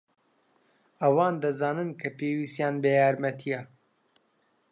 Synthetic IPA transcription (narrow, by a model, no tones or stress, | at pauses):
ɐwaːnd̪ɐzaːnɨnkʰɐpeːwiːst̪jaːnbɐjaːɾmɐt̪ʰijɐ